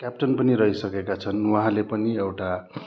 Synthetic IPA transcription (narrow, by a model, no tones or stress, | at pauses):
kjap̚ʈʌnpʌniɾʌɦisʌkekat͡sʰʌnwaɦãlepʌniewʈa